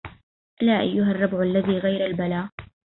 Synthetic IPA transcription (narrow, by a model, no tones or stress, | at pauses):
ʔlaːʔajːʊɦarˤːɑbʕalːaðiːɣajɾalbalaː